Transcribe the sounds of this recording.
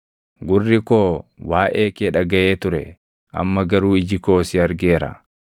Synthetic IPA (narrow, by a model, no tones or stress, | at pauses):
ɡʊrːɪkoːwaːʔeːkeːᶑɐɡɐʔeːt̪ʊɾɛ̰ | ʔɐ̰mːɐɡɐɾuːɪd͡ʒɪko̞ːsɪɐɾɡeːɾɐ̰